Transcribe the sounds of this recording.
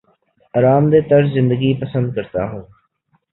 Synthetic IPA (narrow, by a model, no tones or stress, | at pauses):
əɾaːmd̪eːt̪əɾzɪnd̪əɡiːpəsə̃nd̪̚kəɾt̪a̰ːɦõː